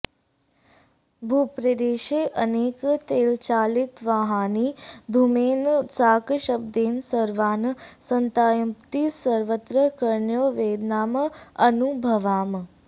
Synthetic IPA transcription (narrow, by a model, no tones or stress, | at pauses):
bʱupɾəd̪eːʃeːʔəneːkt̪eːlt͡ʃaːlɪt̪ʋaɦaːnid̪ʱumeːnsaːkʃəb̚d̪eːnsəɾʋaːnsənt̪aːjəpt̪isəɾʋət̪ɾəkəɾɳjoːʋeːd̪naːməənubʱəʋaːm